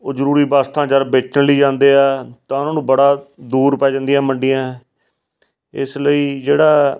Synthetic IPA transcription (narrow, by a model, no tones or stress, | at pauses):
oːzəɾuːɾiːbaːst̪ʰãːd͡ʒəɾbeːt͡ʃnliːd͡ʒãːnd̪eːɛːt̪ãːʊnãːnũːbəɽaːd̪uːɾpɛːd͡ʒãnd̪ijãːməɳɖɪjãː | ɪsləiːd͡ʒeːɽaː